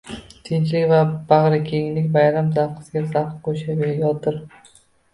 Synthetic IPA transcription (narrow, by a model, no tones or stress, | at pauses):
t̪ʰɪnt͡ʃlɪkʲvab̥aʁɾɪkʲʰeŋlɪkʲbajɾamzafqʰɨ̥sɪɡʲazafqqʰoʃabʲejɒt̪ʰɪɾ